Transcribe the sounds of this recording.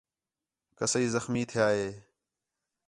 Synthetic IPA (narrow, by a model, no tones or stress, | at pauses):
kəsiːzəxmiːt̪ʰɪjaːɦeː